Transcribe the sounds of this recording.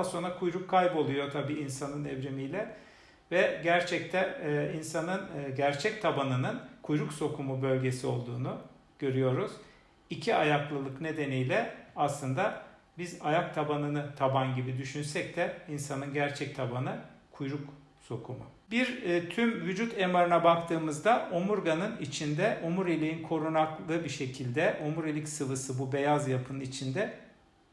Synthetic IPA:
so̞nɾakʰujɾukʰːajbo̞lˠujo̞t̪ʰabiːinsanɯnɛvɾimijlʲɛ | vɛɟæɾt͡ʃʰɛc̚t̪ʰɛinsanɯnɟæɾt͡ʃʰɛc̚t̪ʰabanɯnɯnkʰujɾukso̞kʰumubø̞lʲɟe̞sio̞lˠd̪uːnu | ɟ̥ø̞ɾyjo̞ɾuz̥ | icʰiajaklˠɯlˠɯkne̞d̪e̞nijlʲɛaslˠɯnd̪a | bizajak̚t̪ʰabanɯnɯt̪ʰabanɟibid̪yʃynsɛc̚t̪ɛinsanɯnɟæɾt͡ʃʰɛc̚t̪ʰabanɯkʰujɾuk | so̞kʰumu | biɾt̪ʰymvyd͡ʒut̪ʰe̞maɾɯnabakt̪ʰɯːmɯzd̪aomuɾɡanɯnit͡ʃʰind̪ɛʔomuɾilʲiinkʰo̞ɾunaklˠɯbiʃe̞cʰilʲd̪ɛʔomuɾilʲicsɯvɯsɯbube̞jazjapʰɯnɯnit͡ʃʰind̪ɛ

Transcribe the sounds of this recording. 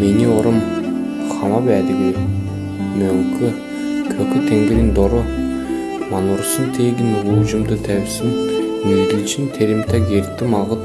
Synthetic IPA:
meneoɾəm | χɑmɑpæd̪ɪɡʲe | mɵlkʲʰɪ | kʲʰɵkʲɪt̪ʰeŋɡʲeɾʲɪnd̪oɾə | mɑnuɾsənt̪ʰeɡʲɪnwuʒəmd̪ət̪ʰæbsɪnmeŋɡɪlt͡ʃɪnt̪ʰeɾemt̪ʰɑkeɾt̪ːɪmɑʁət̪

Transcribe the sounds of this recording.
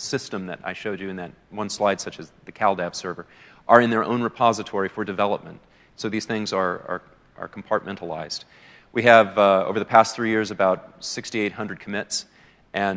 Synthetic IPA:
sɪstə̃mðɨ̰ɾa̰ɪʃoʊd͡ʒɨɨ̃nðɨt̚wʌ̃nslaɪd̥sʌt͡ʃɨzðɨkʰælˠdæv̥sɜ˞və˞ʔə˞ɨ̃nðə˞ʔõ̰ʊ̃nɹɨpʰɑzɨtʰɔɹifə˞dɨvɛlˠəp̚mə̰̃nt | soʊðiz̥θɪ̃ŋzə˞ə̰˞ | ʔə̰˞kʰm̩pʰɑɹt̚mɛ̃ntʰəlˠa̰ɪz̥d̥ | wiɨvo̰ʊvə˞ðəpʰæstθɹijɪɹzɨbaʊt̚sɪkstieɪt̚hʌ̃ndɹɨd̚kʰəmɪts | ʔɨ̃n

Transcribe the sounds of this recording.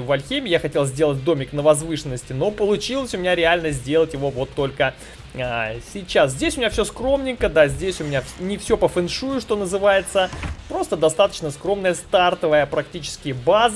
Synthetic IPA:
vɐlʲxʲemʲɪjaxɐtʲelˠzʲdʲe̞lˠət̚ʲd̪o̞mʲɪknəvɐzvɨʂɨnːəsʲtʲɪno̞pəlˠʊt͡ɕilˠəsʲʊmʲɪnʲaɾʲɪalʲnəzʲdʲe̞lˠətʲjɪvo̞vo̞t̪ːo̞lʲkə | sʲɪt͡ɕaszʲdʲesʲʊmʲɪnʲafsʲoskɾo̞mnʲɪŋkəd̪azʲdʲesʲʊmʲɪnʲafnʲɪfsʲo̞pəfɨnʂujʊʂt̪o̞nəzɨvajɪt̪səpɾo̞st̪əd̪ɐst̪at̪ə̥t͡ɕnəskɾo̞mnəjəst̪art̪əvəjəpɾɐk̚tʲit͡ɕɪ̥skʲɪjəbaz

